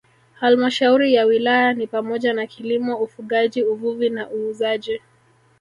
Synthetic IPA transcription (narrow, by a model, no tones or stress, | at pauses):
halmaʃauɾijawilajanipamɔʄanakʰilimɔufuɠaʄiuvuvinaʔuːzaʄi